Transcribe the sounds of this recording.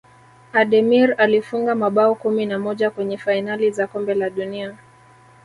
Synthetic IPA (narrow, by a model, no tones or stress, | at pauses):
aɗɛmiɾalifuŋɡamaɓaɔkuminamɔʄakwɛɲɛfainalizakɔmbɛlaɗunia